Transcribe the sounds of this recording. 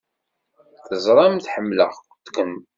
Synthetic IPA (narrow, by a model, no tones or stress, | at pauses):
θəzˤɾˤɑmθħəmːlə̰ʁ | t̪kəm